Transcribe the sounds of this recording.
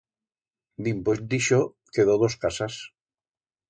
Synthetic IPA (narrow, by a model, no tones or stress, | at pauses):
d̪imposd̪iʃo | keðoðoskasas